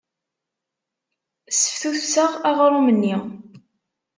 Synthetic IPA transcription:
sə̥fθuθsəʁaʁɾˤumənːi

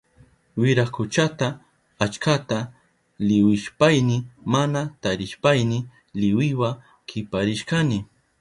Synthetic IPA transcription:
wɪɾakʊt͡ʃat̪aː | t͡ʃkat̪a | lɪwɪʃpajnɪmanat̪aɾɪʃpajnɪ | lɪwɪwa | kʰɪpaɾɪʃkanɪ

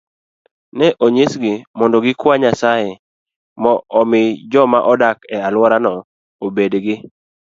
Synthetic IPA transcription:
nɛʔoɲesɡɪmɔndɔɡɪkwaɲasajɛ | mɔɔmɪd͡ʒɔmaʔɔdakɛalwɔɾanɔ | obedɡɪ

